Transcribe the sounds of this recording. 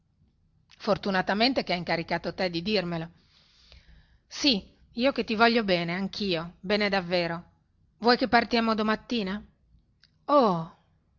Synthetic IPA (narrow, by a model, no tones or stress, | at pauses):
fort̪unat̪ament̪ekeaiŋkaɾikaːt̪ot̪ɛd̪id̪irmelo | si | iːok̟et̪ːivɔʎːobɛːneaŋkʰiːobɛːned̪avːɛːɾo | vwɔjkepːart̪jaːmod̪omat̪ːiːna | o